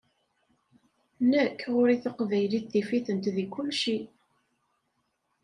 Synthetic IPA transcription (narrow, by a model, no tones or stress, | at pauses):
nəkːʁʊɾiθəqvæjliθifiθənt̪ðikːʊlʃi